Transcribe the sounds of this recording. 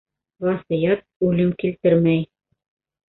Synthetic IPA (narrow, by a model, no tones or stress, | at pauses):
vɑsɤ̆jɑt̪̚ʉlɘmkilt̪ɘɾmæj